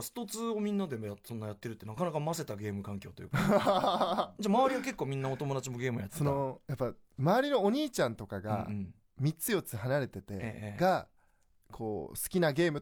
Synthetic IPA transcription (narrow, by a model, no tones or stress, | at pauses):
ɕi̥t̪o̞t͡sɨo̞mʲĩnːad̪e̞mojasõ̞nːajat̪ːe̞ɾɯ̟t̪ːe̞nakanakamase̞t̪aɡʲe̞ːmɯ̟kãŋkʲo̞ːt̪ojɯ̰ːk | d͡ʑamaβaɾʲiɡak̬e̞kːo̞ːmʲĩnːao̞t̪o̞mo̞d̪at͡ɕimo̞ɡʲe̞ːmɯ̰jaso̞no̞japːamaβaɾʲino̞ːɲ̟iːt͡ɕãnt̪o̞kaɡa̰ | mʲit͡sɨjo̞t͡sɨɦanaɾe̞t̪e̞t̪e̞̰ɡa | kʰo̞̰ːsɨ̥kʲinaɡe̞ːmɯ